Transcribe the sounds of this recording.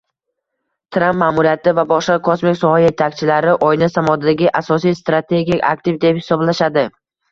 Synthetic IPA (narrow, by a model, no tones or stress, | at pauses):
t̪ʰɾampmaːmuɾijat̪ɪvabɒʃqakʰosmɪkʲsɒhaje̞t̪ʰakʲt͡ʃʰɪlaɾɪʔɒjnasamɒd̪ad̪aɡʲɪʔasɒsijst̪ɾat̪ʰe̞ɡʲikʲa̰kt̪ɪvd̪ephɪ̥sɒblaʃad̪ɪ